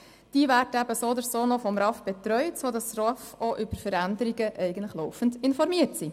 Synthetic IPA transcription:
d̥iːʋæːɾdəæbəsoːd̪əɾsoːnɔfɔmɾɑfb̥et̪ɾœʏtsoːd̪ɑsrɔfoʔʏbəɾfəɾænd̪əɾiɡəʔɛɪɡəntləχlɔwfən̩dɪnfɔɾmiətsi

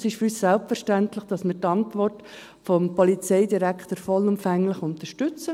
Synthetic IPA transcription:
sɪʃfyɾyːssɛlpfəɾʃtæntlɪχd̥ɑsmɪɾtɑntvʋɔrt | fɔmpɔlit͡seɪdiɾækχtəɾfɔlʊmfæŋlɪχʊnt̪əʃtʏt͡sə

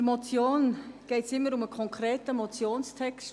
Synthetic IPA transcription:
mɔt͡sjoːnɡ̥ɛɪtsɪmːəɾʊməkʰɔŋkʰɾɛːtəmɔt͡sjoːnstʰɛks

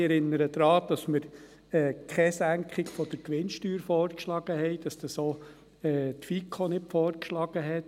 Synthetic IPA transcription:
ɛɾɪnːəɾəd̪̥ɾɑːd̪̥ɑsməɾ | ɛːkʰχɛsæŋkχɪɡfɔd̪̥əɾkʋɪnʃtyːɾfɔːɾkʃlɑːɡ̥əɦɛɪd̥ɑsd̥̪ɑsoː | ɛːt̪fikʰonɪtfɔːrkʃlɑːɡ̥əɦɛt

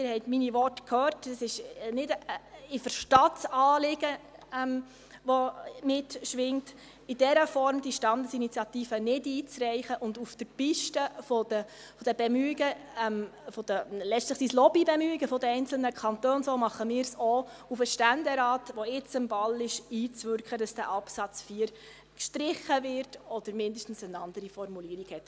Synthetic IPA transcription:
ɪɾhɛɪtminiʋɔtkʰhøːrtɑsɪʃnɪdɪfəɾʃtɑtsɑːlɪɡ̥əɛm | ʋɔmɪtʃʋɪŋt | ɪd̥ɛɾəfɔɾmd̥iʃtɑnd̪əsinit͡sjɑt̪iːfənɪdiːt͡srɛɪχəʔʊnd̪ufd̥əɾpiʃtəfodə | fɔd̥əb̥ɛmyiɡə | mfɔd̥əlɛʃtləχsiːslɔbibɛmyiɡəfɔdəɛɪnt͡sl̩nəkʰɑntøːnsomɑχəmɪːɾsɔ | ufəʃtændɛɾɑːtʋɔɪt͡sɪmvɑlɪʃiːt͡sʋʏɾkχədɑsd̥æʔɑpsɑt͡sfiːəɾ | kʃtɾɪχːəvɪrtɔd̥əɾmɪndəʃtən̩sənɑnd̥əɾifɔɾmuliːəɾiɡhɛt

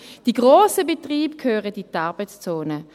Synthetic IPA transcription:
d̥iːɡʁoːsəbetʁiːbkʰhøːʁəditaʁbət͡st͡soːnə

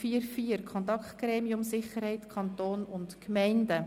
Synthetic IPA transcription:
fiːəɾfiːəɾkʰɔnt̪ɑkχtɡ̥ɾɛːmiʊmsɪχəɾhɛɪtkʰɑntoːnʊntkmɛɪndə

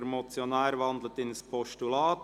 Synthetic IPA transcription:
ɾmot͡sjonæːɾʋɑnd̪lət̪ɪnspʰɔʃtulɑːt

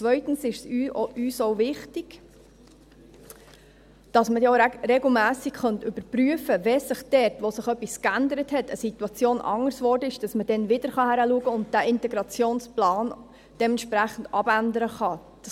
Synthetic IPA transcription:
t͡sʋœʏtn̩sɪʃsyyːsoʊvɪχtɪɡ̥ | d̥ɑsmədɛorɛɡl̩mæːsikχœntʏbəɾpryəfəvɛsɪχd̥ɛtʋosɪχœpːiskændəɾəthɛtʰə̰situɑt͡sjoːnʔɑ̰ŋəɾsʋɔːɾdəɪʃd̥ɑsməd̥ɛnʋɪdəɾχɑhæɾəluəɡəʊnt̚d̥æːʔɪntɛɡɾɑt͡sjoːnsplɑːn | d̥ɛmɛnʃpɾæχən̩dɑbændəɾəχɑ | d̥ɑ

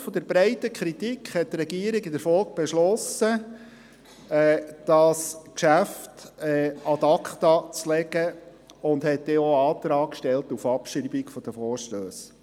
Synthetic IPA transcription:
fɔd̪əɾbɾɛɪtəkʰɾit̪ikʰχhɛtːɾɛɡiəɾiɡɪdəɾfɔlk̚b̥ɛʃlɔsə | ɛːd̥ɑskʃæftɛɑt̪ɑkχt̪ɑt͡slɛɡə | ʊnd̪hɛt̚deːoɑːt̪ɾɑːkkʃtɛlt̪ufɑpʃibikfɔd̥əfɔːɾʃtøːs

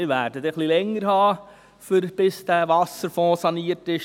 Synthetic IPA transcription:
ɪʋæːɾdətɛχlilɛŋːəɾhɑː | fɪɾb̥ɪsd̥æːʋɑsəɾfɔ̃ːsɑniːəɾtɪʃ

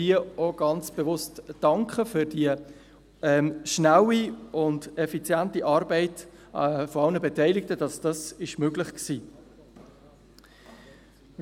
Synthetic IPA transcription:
ioɡ̥ɑnt͡sb̥evʊstd̥ɑŋkχəfʏɾd̥iə | ɛːmʃnawiʊndɛfit͡sjæntiʔɑːɾbɛɪt | fɔɑlnəbɛtɛɪlɪk̚təd̥ɑsd̥ɑsɪʃmøɡlɪχksiː

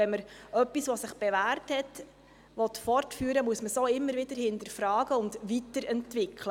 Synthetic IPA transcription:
ɛnməɾœpːisʋɔsɪχb̥ɛʋæːrthɛt | ʋɔtfɔrtfyːɾəmuəsməsoːɪmːəɾʋɪdəɾhɪndəɾfɾɑːɡəʊndvitəɾɛntʋɪkʰlə

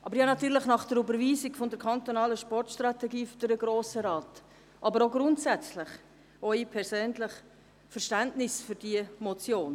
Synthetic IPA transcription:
ʔɑbəɾjɑnɑt̪yːɾlɪχnɑχd̥ɛɾybəɾviːsɪɡfondɛɾkʰɑnt̪onɑːləʃpɔrtʃtɾɑtɛɡiːfʏd̥əɾəɡɾoːsəɾɑːt | ʔɑbəɾoɡɾʊntsæt͡slɪχ | œʏipʰɛɾsøːnlɪχ | fəɾʃtæntnɪsfʏɾdiəmot͡sjoːn

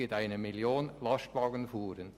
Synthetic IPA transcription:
ɪtaɪnəmɪljoːnlɑstvɑːɡənfuːɾən

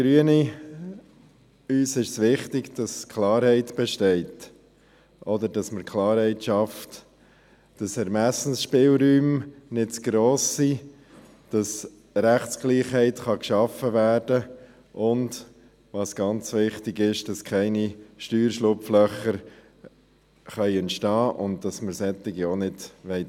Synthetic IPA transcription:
ɡ̥ɾyəni | yːsɪʃsʋɪχtɪɡd̥ɑskʰlɑːɾhɛɪtb̥ɛʃtɛɪt | ʔɔd̪əɾdɑsməɾkʰlɑːɾhɛɪtʃɑft | d̥ɑsæɾmæsn̩sʃpɪːlɾyːmnɪtsɡ̥ɾoːsːi | d̥ɑs | ɾæχtsɡ̥liːχhɛɪtχɑkʃɑfəvæːɾd̥ə | ʔʊnd | ʋɑːsɡ̥ɑnt͡sʋɪχtɪɡɪʃd̥ɑskʰɛɪniʃtyːɾʃlʊpflœχəɾ | χœʏɛnt̪ʃtɑːʔʊnd̚d̥ɑsməɾsɛt̪ːɪɡionɪdʋɛɪt

